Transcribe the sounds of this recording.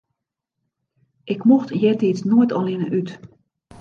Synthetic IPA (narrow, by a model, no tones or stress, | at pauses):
ʔɪkmoxtjɛtiːt͡snoətʰɔlɪnəʔyt